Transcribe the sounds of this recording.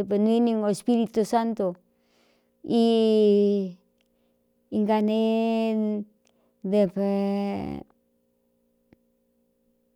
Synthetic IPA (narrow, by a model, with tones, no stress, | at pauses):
e˧pe˧n˧i˦nĩ˧ŋo˧e˧spi˦ɾi˧t̪u˧sa˦nt̪o˨ | i˧ | ŋɡa˧ne˦ | d̪e˧pe˧